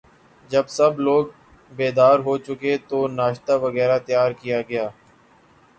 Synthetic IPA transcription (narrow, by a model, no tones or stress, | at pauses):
d͡ʒəbsəbloːɡ | beːd̪aːɾɦoːt͡ʃʊket̪oːnaːʃt̪aːʋəɣɛːɾat̪jaːɾkɪjaːɡəjaː